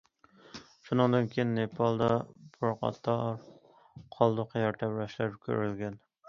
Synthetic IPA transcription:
ʃunɨŋd̪ɨnkʲʰejinːepʰɑlˠd̪ɑbuɾɑqʰɑ̰t̪ʰːɑɾ | qʰɑlˠd̪ʊqʰjɑɾt̪ʰɛpɾæʃlæɾɪp̚kʲʰø̰ɾylɡʲɛn

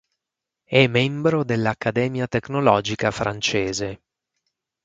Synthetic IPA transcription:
ɛmːɛmbɾod̪elːakːad̪ɛːmjat̪eknolɔːd͡ʒikafɾʔant͡ʃeːze

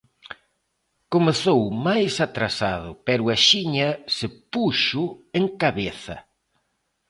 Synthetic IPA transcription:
komeθowmajsat̪ɾasaðʊpɛɾʊaʃiɲɐsɪpuʃʊeŋkaβeθɐ̰

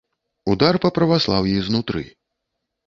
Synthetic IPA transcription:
ud̪arpɐpɾɐvaslˠawjɛznut̪ɾɨ̰

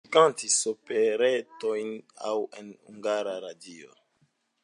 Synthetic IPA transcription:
kantisopeɾetojna̰wḛnhṵŋɡaɾaɾadio̰

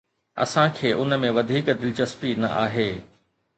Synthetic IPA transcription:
ɐ̰sãkʰeːʔʊnmẽʋɐd̪ʱiːkd̪ɪlɪt͡ɕɐspinɐ̰ʔaːɦeː

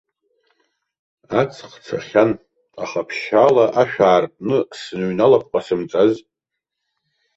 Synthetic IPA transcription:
at͡sʰqt͡sʰa̰χʲan | aχapʰʃalaʔaʃᶣaːrpʼnɨsɨnɥnalapʰqʷʼasɨmt͡sʼaz

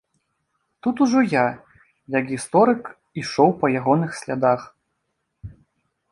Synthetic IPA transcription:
t̪ut̪uʐɔja | jɐkɣʲist̪ɔɾɨk | iʂɔwpɐjaɣɔnɨxsʲlʲad̪ax

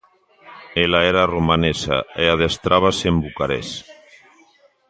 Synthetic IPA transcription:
elaeɾaromanesa̰eaðest̪ɾʔaβasembukaɾḛs

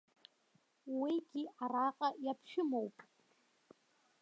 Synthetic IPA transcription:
wiɡʲiaraqʼajapʰʃᶣʊmo̞wpʼ

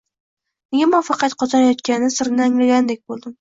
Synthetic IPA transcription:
neɡʲamɒfɑqʰɑt̪qʰɒzɑɾajɒt̪kʲanɪsɪɾnɪaŋlaɡʲand̪ek̚ʲbolˠd̪ɪm

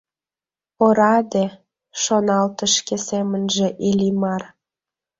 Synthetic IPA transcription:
oɾɑd̪e | ʃonɑlt̪əʃkesemənʒĕʔilʲimɑr

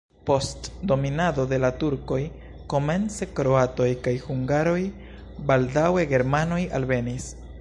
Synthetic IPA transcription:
po̞stdo̞minado̞de̞latuɾko̞j | ko̞me̞nt͡se̞kɾo̞ato̞jkajhuŋɡaɾo̞j | baldawe̞ɡe̞ɾmano̞ja̰lve̞nis

